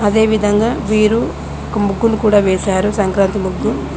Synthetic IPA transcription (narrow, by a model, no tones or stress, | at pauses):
ɐd̪e̞ːʋid̪ʱɐŋɡaːʋiːɾu | ɔkɐmuɡːunukuːɽaːʋeːsaːɾusɐŋkɾaːnt̪imuɡːu